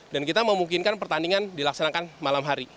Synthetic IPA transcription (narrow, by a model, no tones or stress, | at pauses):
dankit̪aməmuŋkinkanpərt̪andiŋandilaksanakanmalamɦaɾi